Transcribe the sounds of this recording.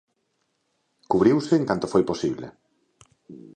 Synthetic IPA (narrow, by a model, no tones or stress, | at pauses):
kuβɾiwseːŋkant̪ofojposiβlḛ